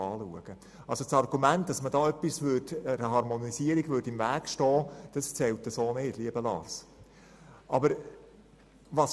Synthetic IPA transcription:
ɑːluəɡ̥ə | ɑlsot͡sɑɾɡ̥umæntd̥ɑsmədɑːœpːisʋʏrdəɾəɦɑɾmɔnisiəɾiɡʋʏɾdɪmvæːɡʃtɔːd̥ɑst͡sɛltəsoːneːdliəbəlɑ̰ːs | ʔɑbəɾ | ʋɑs

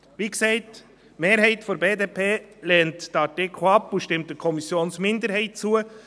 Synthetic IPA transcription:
viksɛɪt | meːɾɦɛɪtfɔɾbeːdeːpʰeːlɛːntd̥ɑtɪkʰχoɑpuʃtɪmt̚dəkʰɔmisjoːnsmɪndəɾhɛɪt̚t͡suə

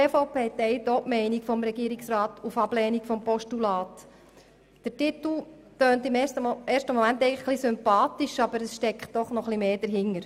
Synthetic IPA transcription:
eːfoʊpeːt̪ɛɪjtɔʔmɛɪnikfɔmɾɛɡiːɾiksɾɑːt̪ufɑb̥lɛːnikfɔmpɔʃtulɑːt | d̥əɾtit̪l̩ˠ | tøːntɪmeːɾʃtəmɔmæntɛɪŋləχχlisʏmpɑːt̪iʃɑb̥əɾəsʃtɛkχt̚d̥ɔχnɔχlimeːd̥əɾɦɪŋːəɾ

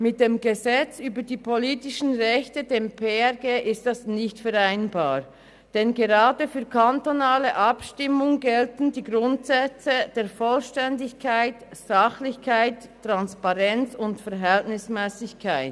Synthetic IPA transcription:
mɪt̚d̥eːmɡəzɛt͡syːbədiːpʰoliːtɪʃn̩ʁɛçtədeːmpʰeːɛɡeːʔɪstdasnɪçtfɛʁaɪnbaːʁ | d̥ɛnɡeʁaːdəfyːɐkʰantonaːləʔɑpʃtɪmʊŋɡɛltn̩diːɡʁʊntsɛt͡səd̥eːɐfɔlʃtɛndɪçkʰaɪtz̥ɑχlɪçkʰaɪtːʁ̥anspaʁɛnt͡sʊntfɛʁɦɛltnɪsmɛːsɪçkʰaɪt

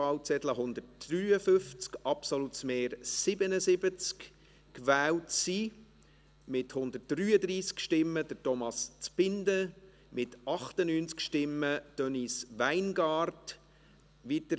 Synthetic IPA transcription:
ɑwt͡sɛtləɦʊnd̪ətd̥ɾyːəfʏft͡skɑpsolutsmeːɾsɪbənəsɪbət͡sk | kʋæːwtsi | mɪthʊnd̪ət̚d̥ryːəd̪ɾiːskʃtɪmːəd̥̪ətɔmɑst͡spɪndə | mɪtɑχtənyːnt͡skʃtɪmːəd̪̥œnisʋæɪnɡɑːrt | ʋit̪ə

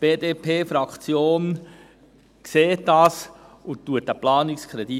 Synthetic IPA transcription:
b̥eːdeːpʰeːfɾɑkt͡sjoːn | kseːtdɑːsʊtːuətæplɑːnikskʰɾɛd̥i

